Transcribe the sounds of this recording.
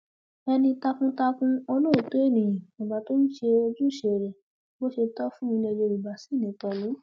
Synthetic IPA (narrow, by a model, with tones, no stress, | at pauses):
ɛ˧nĩ˧ta˧kũ˦ta˧kũ˦o˧nɔ̃˦˨to˨˦e˦˨nĩ˨mĩ˨ba˨˦to˦n̩˦ʃe˧o˧d͡ʒũ˦˨ʃe˨ɾɛ˨ | bo˦ʃe˧tɔ˦fũ˦mĩ˧le˧d͡ʒe˧i˨ba˨si˦˨nĩ˨˦tɔ˧lo˨˦